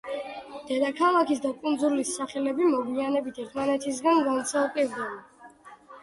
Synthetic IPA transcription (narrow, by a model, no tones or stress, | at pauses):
d̪̥ɛd̪akʰalˠakʰis̬d̪akʼund̪zulisːaχɛlɛbimɔvianɛbit̪ʰɛɾt̪ʰmanɛt̪ʰis̬ɡanɡant̪sʰalˠpʼiɾd̪aban